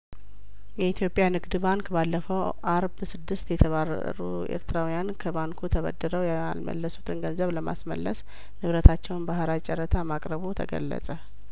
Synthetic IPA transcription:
jɛit̪ʰjo̞pʼjanɨɡd̪ɨbaŋkbalːəfəw | ʔaɾbsɨd̪ːɨst̪jɛt̪ʰəβar̰ | ɾṵ | ḛɾt̪ʰɨɾawijankʰəbaŋkʰut̪ʰəβə̰d̪ːəɾəwjaa̰lmə̰lːəsu̥t̪ʼɨnɡənzəβləma̰smə̰lːəs | nɨβɾət̪ʰat͡ʃːɛwnbahɾat͡ʃʼɛɾət̪ʰamakʼɾəβut̪ʰə̰ɡə̰lːə̰sʼə

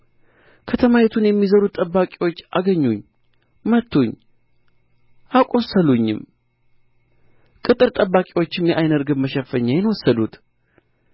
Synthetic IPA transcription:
kʰət̪ʰəmajɛt̪ʰunjɛmːizəɾut̪ʼːəbːakʼiwo̞t͡ʃːʔaɡəɲːuɲː | mət̪ʰːuɲ | ʔakʼo̞səluɲːɪ̰m | kʼɨt̪ʼɨɾt̪ʼəbːakʼiwo̞t͡ʃːɪmjɛʔajnəɾɡɨbməʃəfəɲːajɛnwɔsːəd̪ut̪

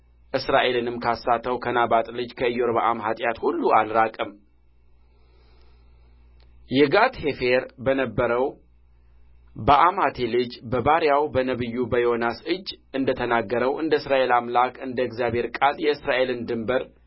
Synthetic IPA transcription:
ʔɨsɾaʔe̞lɨnɨmkʰasːat̪ʰːəwkʰənabat̪ʼlɨd͡ʒkʰəɨjoɾbaʔamɦat̪ʼjat̪hulːualɾakʼɨm | jɛɡat̪he̞fe̞ɾbənəbːəɾəw | baʔamhat̪ʰe̞lɨd͡ʒbəbaɾjawbənəβɨjːubəjonasɨd͡ʒːɨnd̪ət̪ʰənaɡːəɾəwʔɨnd̪əɨsɾaʔe̞lamlakʼɨnd̪əɪɡzjabhe̞ɾkʼaljɛɨsɾaʔe̞lɨnd̪ɨmbəɾ

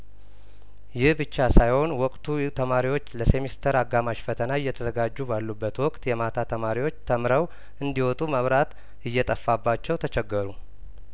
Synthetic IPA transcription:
jɪhbɨt͡ʃːasajho̞nwɔkʼt̪ʰut̪ʰəmaɾiwo̞t͡ʃːləse̞mist̪ʰəɾaɡːamaʃfət̪ʰənaɨjːɛt̪ʰəzəɡad͡ʒːubalːubːət̪wɔkʼt̪jɛmat̪ʰat̪ʰəmaɾiwo̞t͡ʃːt̪ʰəmɾəw | ʔɨnd̪iwɔt̪ʼuməβɾat̪ | ɨjːɛt̪ʼəfːabːat͡ʃːɛwt̪ʰət͡ʃɛɡːəɾu

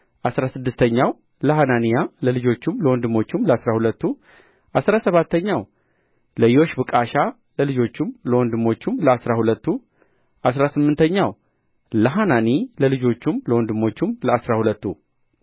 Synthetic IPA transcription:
ʔasɾasɨd̪ːɨst̪ʰəɲːaw | ləɦananijaləlɨd͡ʒo̞t͡ʃːumləwɔnd̪ɨmo̞t͡ʃːumləasɾahulət̪ːu | ʔasɾasəβat̪ːəɲːaw | ləjo̞ʃbɨkʼaʃa | ləlɨd͡ʒo̞t͡ʃːumləwɔnd̪ɨmo̞t͡ʃːumləasɾahulət̪ːu | ʔasɾasɨmːɨnt̪ʰəɲːaw | ləɦananiləlɨd͡ʒo̞t͡ʃːumləwɔnd̪ɨmːo̞t͡ʃːumləasɾahulət̪ːu

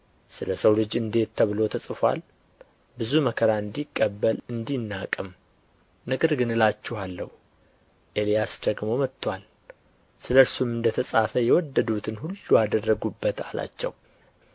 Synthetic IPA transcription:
sɨləsəwlɨd͡ʒɨnd̪e̞t̪ʰːəβlo̞t̪ʰəsʼɨfʷa̰l | bɨzuməkʰəɾaɨnd̪ikʼːəbːəlɨnd̪inːakʼɨm | nəɡəɾɡɨnɨlat͡ʃːuhalːəhu | ʔe̞lijasd̪əɡmo̞mət̪ːwal | sɨləɾsumɨnd̪ət̪ʰəsʼafəjɛwɔd̪ːəd̪ut̪ʰɨnhulːuad̪ərːəɡubːət̪a̰la̰t͡ʃːɛ̰w

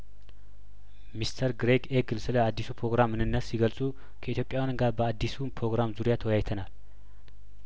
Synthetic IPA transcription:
mist̪ʰəɾɡɾeɡeɡɨlsɨləad̪ːisupʰɾo̞ɡɾamɨnɨnːəsːiɡəlsʼu | kʰəit̪jopʼjawjanɡaɾbəad̪ːisunpʰɾo̞ɡɾamzuɾijat̪ʰəwɔjajt̪ʰənal

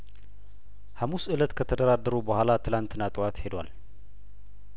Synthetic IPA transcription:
hamusʔɨlət̪kʰət̪ʰəd̪əɾad̪ːəɾubəhʷalat̪ʰɨlant̪ɨnːat̪ʼɨwat̪he̞d̪wa̰l

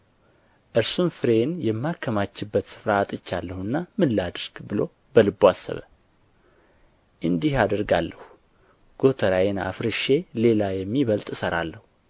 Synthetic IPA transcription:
ʔɨɾsunfɨɾe̞njɛmːakʰːəmat͡ʃːɨbːət̪sɨ̥fɾaːt̪ʼɨt͡ʃːalːəhuɨnːamɨlːad̪ɨɾɡ̥bɨlo̞ | bəlɨbːoasːə̰βə̰ | ʔɨnd̪ihad̪əɾɡa̰lːə̰hu | ɡ̥o̞t̪ʰəɾajena̰fɾɨʃe̞le̞lajɛmːiβəlt̪ʼɨsəɾalːəhu

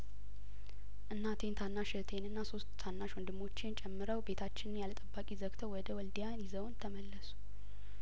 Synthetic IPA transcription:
ʔɨnːat̪ʰe̞nt̪ʰanːaʃɛt̪ʰe̞nɨnːaso̞st̪t̪ʰanːaʃwɔnd̪ɨmːo̞t͡ʃːɪnt͡ʃʼɛmːɨɾəwbe̞t̪ʰat͡ʃːɪnɨnjalət̪ʼəbːakʼizəkt̪ʰəwɔd̪əwɔld̪ijanjɪzəwnt̪ʰəməlːəsu̥

